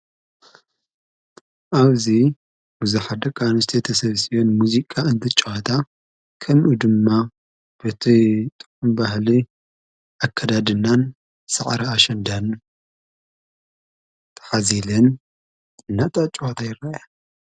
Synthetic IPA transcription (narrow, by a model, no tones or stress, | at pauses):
ʔaβzi | bɨzɨħad̪ɐkʼanust̪ʰet̪ʰɐsɐβsionmuzikʼaɨnt̪ʰɨt͡ʃʼːwat̪ʰa | kʰɐmʔud̪ɨmːa | b̥ɨt̪ʰit̪ʼɨ̥kʼːumbahli | akʰːɐd̪ad̪ɨnːan | sɐʕɾɐaʃɐnd̪an | t̪ʰɐ̥ħazilɐn | ɨnːat̪ʼat͡ʃʼwat̪ʰajɪɾaja